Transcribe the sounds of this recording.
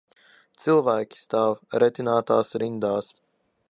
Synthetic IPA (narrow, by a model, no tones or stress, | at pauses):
t̪sɨlˠvæːkʲi̥st̪aːvɾɛt̪ʲinaːt̪aːsɾind̪aːs